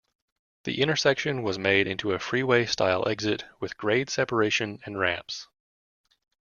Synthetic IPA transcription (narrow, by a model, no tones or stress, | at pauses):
ðḭʔɪ̃ɾ̃ə˞sɛkʃɨ̃nwʌzmeɪɾɪ̃ntʰʉɨfɹiweɪsta̰ɪlˠʔɛ̰ɡzɪt̚wɨðɡ̥ɹeɪd̥sɛpə˞eɪʃɨ̃nɨ̃nɹæ̃mps